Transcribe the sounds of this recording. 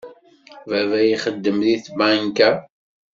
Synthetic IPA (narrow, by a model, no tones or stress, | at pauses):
vævæjiχəd̪ːəmðiθbæŋkæ